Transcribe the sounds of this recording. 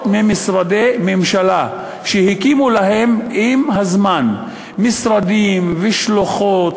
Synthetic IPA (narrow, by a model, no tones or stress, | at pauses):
t̪mimisɾad̪ememʃala | ʃehikimulaɦemimɦazman | misɾad̪imveʃloχot̪